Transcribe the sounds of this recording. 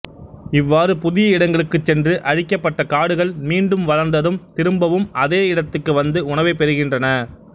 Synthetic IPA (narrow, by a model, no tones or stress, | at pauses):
ɪʋːaːɾɯpʊðɪjɐɪɽɐŋɡɐɭɯkːɯt͡ʃːɛndrɯʔɐɻɪkːɐpːɐʈːɐkaːɽɯɣɐɭmiːɳɖɯmʋɐlɐɾnd̪ɐðɯmt̪ɪɾɯmbɐʋɯmɐðeːɪɽɐt̪ːɯkːɯʋɐnd̪ɯʊɳɐʋeːpɛɾɯɣɪndrɐnɐ